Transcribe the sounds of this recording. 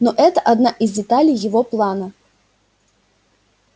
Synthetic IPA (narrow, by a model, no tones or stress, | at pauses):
nɔʔɛt̪ɐʔad̪naʔizʲdʲɛt̪alʲijjɪvɔplˠanɐ